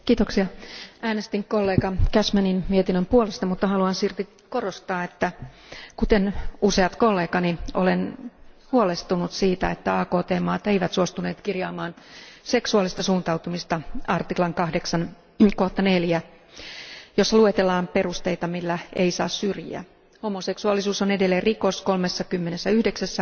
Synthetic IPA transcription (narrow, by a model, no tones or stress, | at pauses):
kiːt̪oksiɑæːnest̪iŋkolːeːkɑkæsmæninmiet̪inːømpuolest̪ɑmut̪ːɑhɑluɑnsirt̪i | korost̪ɑːet̪ːæ | kut̪enuseɑt̪kolːeːkɑnio̰lenhuolest̪unut̪siːt̪æ̰et̪ːæɑːkoːt̪eːmɑːt̪eijʋæt̪suost̪uneːt̪kirjɑːmɑːn | seksuɑlist̪ɑsuːnt̪ɑwt̪umist̪ɑɑrt̪iklɑŋkɑhdeksɑn | koht̪ɑneljæ | josːɑluet̪elːɑːmpe̞rust̪eijt̪ɑmilːæeisɑ̰ːssyrjḭæ̰ | homoseksuɑlːisuːsonedelːerikoskolmesːɑkymːenesːæyhdeksæsːæ